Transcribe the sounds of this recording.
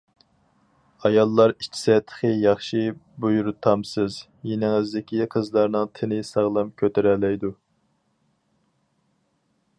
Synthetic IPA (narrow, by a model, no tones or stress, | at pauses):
ɑjɑlˠːɑɾi̥t͡ʃʰːi̥sɛt̪ʰːə̥χəjɑχʃibujuɾut̪ʰɑmsɨz | jenɪŋɪzd̪ɪkʲiqʰəzlˠɑɾnɨŋt̪ʰɪnɪsɑʁlˠɑmkʲʰøt̪ʰeɾɛlːɛjd̪u